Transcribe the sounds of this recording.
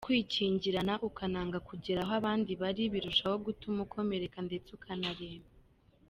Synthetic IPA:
kwiːciːɲɟiɾanaʔukanaːŋɡakuɟiɾaɦoaβaːndiβaɾiβiɾuʃaho̞ɡutumukʰo̞me̞ɾe̞kande̞t͡seukʰanaɾeːma

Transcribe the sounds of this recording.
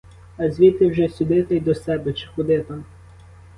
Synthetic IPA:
ɐzʲʋʲit̪ɪwʒɛsʲʊd̪ɪt̪ɐjd̪ɔsɛbɛt͡ʃɪ̥xɔd̪ɪt̪ɐ

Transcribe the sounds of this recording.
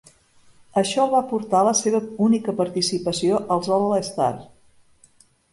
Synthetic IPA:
əʃɔβapuɾt̪aləseβəunikəpəɾt̪isipəsioʔəlˠzɔlələst̪a̰r

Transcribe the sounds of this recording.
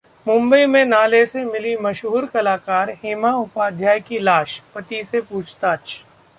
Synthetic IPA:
mʊ̃mbəimẽnaːlesemɪlimɐʃɦuːɾkɐlaːkaːɾɦɪmaʊpaːd̪ʱjaːjkilaːʃpɐt̪isepuːt͡ʃʰt̪aːt͡ʃʰ

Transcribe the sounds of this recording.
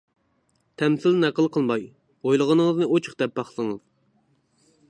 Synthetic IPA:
t̪ʰɛmsɪlnɛqəlˠqʰəlˠmɑj | ojlˠəʁənɨŋəznɨot͡ʃʰʊ̥χd̪ɛp̚bɑχsɨŋɨz̥

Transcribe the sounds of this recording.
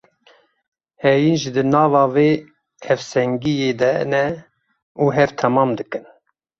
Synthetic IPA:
hɛjinʒd̪ɨnɑːvɑːveː | hɛvsɛŋɡijeːd̪ɛnɛ | uːɦɛɾt̪ʰɛmɑːmd̪ɨkɨn

